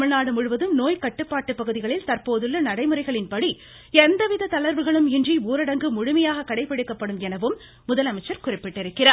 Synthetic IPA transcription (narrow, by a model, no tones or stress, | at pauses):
mɐɭnaːɽɯmʊɻɯʋɐðɯmnoːjkɐʈːɯpːaːʈːɯpːɐɣɯðɪɣɐɭɪlt̪ɐɾpoːðɯlːɐnɐɽɐɪmɯrɐɪɣɐɭɪnpɐɽi | ɛnd̪ɐʋɪðɐt̪ɐlɐɾʋɯɣɐɭɯmɪndriuːɾɐɽɐŋɡɯmʊɻʊmɐjaːɣɐkɐɽɐɪpːɪɽɯkːɐpːɐɽɯmɛnɐʋɯmː | ʊðɐlɐmɐɪt͡ʃːɐɾkʊrɪpːɪʈːɪɾɯkːɪraː